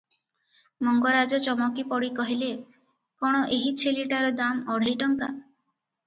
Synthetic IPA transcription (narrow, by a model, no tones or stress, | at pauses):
mɔŋɡɔɾad͡ʒɔt͡ʃɔmɔkipɔɽikɔɦile | kɔɽ̃ɔʔeɦit͡ʃʰeliʈaɾɔd̪amɔɽ̤ejʈɔŋka̰